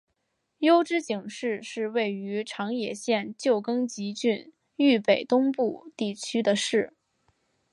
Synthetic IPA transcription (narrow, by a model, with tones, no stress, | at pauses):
jo˥ʊʈ͡ʂɻ̩˥t͡ɕi˨˩ŋʂɻ̩˥˧ʂɻ̩˥˧we˥˩ɪy˧˥ʈ͡ʂʰɑ˧˥ŋjɛ˨˩ɕjɛ˥˧nt͡ɕjo˥˩ʊkɤ˥ŋt͡ɕi˧˥t͡ɕy˥˧n | y˥˩pe˨˩ɪt̪ʊ˥ŋpu˥˧t̪i˥˩t͡ɕʰy˥d̪ə˨ʂɻ̩˥˩